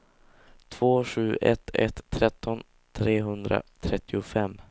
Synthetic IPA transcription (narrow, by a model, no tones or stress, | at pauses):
t̪ʰv̥oːɧʉ̟ːʔɛt̪ʰːɛ̰t̪ʰːɾɛt̪ːɔn | t̪ʰɾeːɦɵnd̪ɾa̰t̪ʰɾɛt̪ʰːɪʊfɛmː